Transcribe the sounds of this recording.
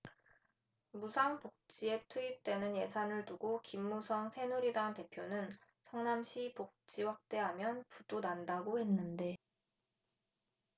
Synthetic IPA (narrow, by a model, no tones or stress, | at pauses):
musʰaŋpok̚t͡ɕ͈ie̞tʰuip̚t͈we̞nɯnje̞sʰanɯɭtuɡokimːusʰʌŋsʰe̞nuɾidante̞pʰjonɯn | sʰʌŋnamɕʰipok̚t͡ɕ͈iwak̚t͈e̞ɦamjʌnpudonandaɡohe̞nːɯnde̞